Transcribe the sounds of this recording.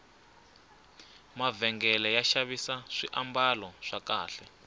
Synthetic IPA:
mavɛŋɡɛlɛjaʃaβisaʂiʔambalɔʂakaːɬɛ

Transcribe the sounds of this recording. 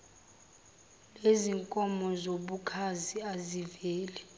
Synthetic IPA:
leziŋkʼɔmɔzoɓukʰaziazivɛːlɛ

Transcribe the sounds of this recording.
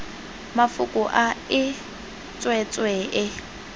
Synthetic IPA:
mafʊkʼʊʔaɪ | t͡sʼwɛt͡sʼweʔɪ

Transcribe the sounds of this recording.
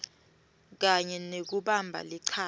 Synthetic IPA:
k̬aɲɛnek̬uɓambʱa̰liǀʰaː

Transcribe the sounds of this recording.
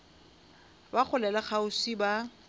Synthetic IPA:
baχʰʊlɛlaχaʊsiba

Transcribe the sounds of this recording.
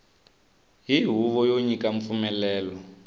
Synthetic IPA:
ɦiɦuβɔjoɲikaɱfumɛlɛːlɔ

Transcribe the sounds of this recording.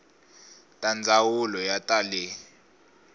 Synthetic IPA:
tʼand͡zʱawulɔjatʼalɛ

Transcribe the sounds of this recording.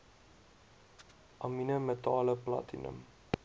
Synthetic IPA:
ʔɑminəmətɑːləplɑ̰tinə̰m

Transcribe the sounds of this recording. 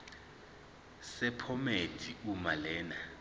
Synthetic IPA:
sɛpʰɔmed̥ʰʱiumalɛːna

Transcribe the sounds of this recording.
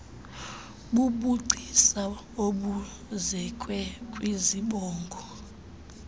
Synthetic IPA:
ɓuɓuɡ͡ǀʱisa | oɓu | zɛkʼwɛkʼwiziɓɔːŋɡʱɔ

